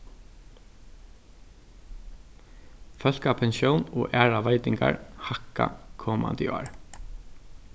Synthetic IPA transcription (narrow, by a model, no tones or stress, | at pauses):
fœl̥kapʰɛnʃjɔwnɔːʔæːɹaʋaɪt̪ɪŋka̰ɹhaka̰kʰɔːma̰nd̪ɪa̰ɹ